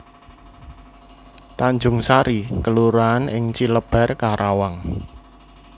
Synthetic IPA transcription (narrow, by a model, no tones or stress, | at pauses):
t̪aɲd͡ʒʊŋsaɾikəluɾaːnɪŋt͡ʃiləb̥a̤rkaɾawaŋ